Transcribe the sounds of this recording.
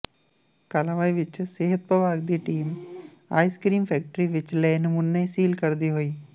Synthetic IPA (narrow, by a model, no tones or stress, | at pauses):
kaːlãʋaːiʋɪt͡ʃseːɦət̪̚pəʋaːɡd̪iʈiːm | a̰ːiskɾiːmfʰɛːk̚ʈəɾiʋɪt͡ʃlɛːnmʊnːesiːlkɐɾd̪iɦoiː